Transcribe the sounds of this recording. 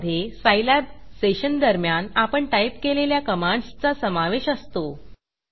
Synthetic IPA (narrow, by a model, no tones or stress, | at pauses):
d̪ʱesajlabseɕənd̪əɾmjanapəɳʈajpkeleljakəmaɳst͡sasəmaʋeɕəst̪o